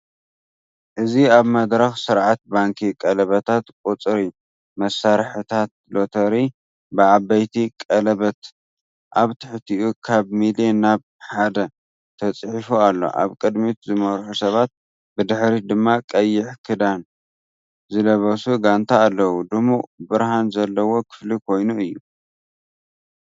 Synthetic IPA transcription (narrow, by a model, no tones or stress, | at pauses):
ʔɨziaβmɐd̪ɾɐxsɨɾʕat̪̚baŋkʰikʼɐlɐβɐt̪ʰat̪kʼut͡sʼɾi | mɐsaɾħɨt̪ʰat̪̚lo̞t̪ʰɐɾi | bɨʔabɐjt̪ʰikʼɐlɐβɐt̪ | ʔaβt̪ʰɨħt̪ʰiʔukʰaβmilenːaβ | ħad̪ɐ | t̪ʰɐt͡sʼħifualːo̞̰ʔa̰βkʼɨd̪mit̪zɨmɐɾħusɐβat̪̚ | bɨd̪ɨħɾid̪ɨmːakʼɐjːɪħkʰɨd̪an | zɨlɐβɐsuɡant̪ʰaːlːɐwud̪ɨmubɨɾhanzɐlːɐwo̞kʰɨ̥flikʰo̞jnuɨjːu